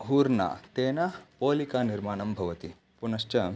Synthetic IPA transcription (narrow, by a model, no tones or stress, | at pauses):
ɦuːɾna̰t̪eːnɐpoːlikaːniɾmaːɳɐmbʱɐʋɐt̪i | punɐst͡ʃɐ